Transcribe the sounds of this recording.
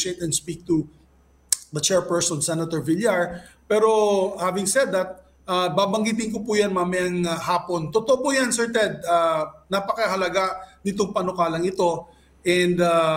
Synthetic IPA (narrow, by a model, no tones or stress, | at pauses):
et̪ɛ̃nd̪spik̚t̪u | ðɐt͡ʃɛɹpɛɹsɔ̃nsɛnɐt̪ɔɹvɪljaɹpɛɾo̞havɪŋsɛd̪ːɐt̪̚ | ʔabaːbɐŋɡiːt̪̬ɪŋk̬opujanmamɛɐŋhaːpont̪ot̪oʔopʊjansɛɹt̪ɛd̪̚anɐpɐkɐɦɐlɐɡanɪt̪oŋpɐnokaːlɐŋɪt̪o̞ | ʔɛ̃nd̪a